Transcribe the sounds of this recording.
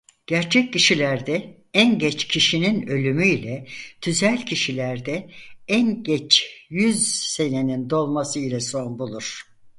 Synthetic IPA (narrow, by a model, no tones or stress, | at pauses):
ɟ̥æɾt͡ʃʰɛc̚ʰːiʃilʲæɾd̪ɛ | ænɟɛt͡ʃcʰiʃininø̞lʲymyilʲɛt̪ʰyzælʲcʰiʃilʲæɾd̪ɛænɟɛt͡ʃjyzse̞ne̞nind̪o̞lˠmasɯilʲɛso̞nbulˠuɾ̝̥